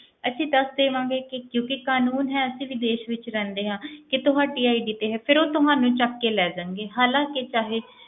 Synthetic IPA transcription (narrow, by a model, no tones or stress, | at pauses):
ətːʃʰĩːd̪əsd̪eːʋãːŋɡeːkɪkjõːkɪkaːnuːnɦɛːəsĩːʋiːd̪eːʃʋɪt͡ʃɾɛ̃ːnd̪eːɦãːkɪt̪ʊɦãːʈiːaːiɖiːt̪eːɦɛːpʰɪɾoːt̪ʊɦãːnũːt͡ʃəkːeːlɛːd͡ʒãːŋɡeːɦaːlãːkɪt͡ʃaːɦeː